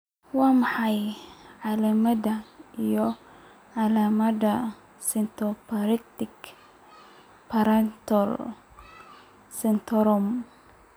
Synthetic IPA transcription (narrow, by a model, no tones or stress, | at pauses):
wamaħajʕalamad̪aijɔ | ʕalamada | sint̪ɔpaɾikt̪ik | paɾant̪ɔɾ | sint̪ɔɾɔm